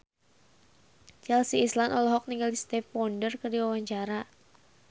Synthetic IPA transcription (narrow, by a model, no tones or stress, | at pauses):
t͡ʃɛlsiːslanʔɔlɔɦɔk̚niŋɡaldist̪ɛfɔndərkərdiwawaɲt͡ʃaɾa